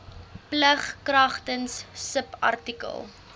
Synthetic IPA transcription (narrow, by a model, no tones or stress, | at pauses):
pləχkrɐχtənsːəpɐ̰rtikə̰lˠ